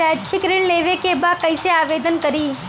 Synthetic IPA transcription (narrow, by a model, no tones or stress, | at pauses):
at͡ʃʰikɾiɳleʋekebakə̃jseaʋed̪ənkəɾi